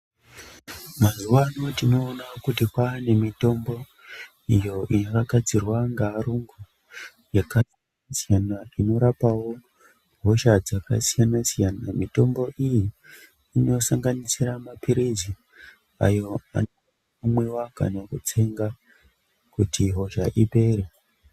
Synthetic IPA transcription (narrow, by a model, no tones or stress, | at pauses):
mazuʋano̞tino̞ːnakutikwane̞mito̞mbo̞ | ijo̞ʔinokaɡʱad͡zirwaŋɡaːɾuŋɡu | jaka | sijanaino̞ɾapawo̞ | bʱo̞ʃad͡zakasijanasijanamito̞mbo̞ʔijiː | no̞saŋɡanisiramapiɾezi | a̰jo̞a̰no | amwe̞waka̰nakut͡se̞ŋɡa | kutʰiɦo̞ʃaʔipe̞ːre